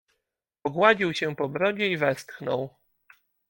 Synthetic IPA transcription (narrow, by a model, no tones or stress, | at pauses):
pɔɡwad͡ʑiwɕɛpɔbɾɔd͡ʑɛivɛst̪xnɔw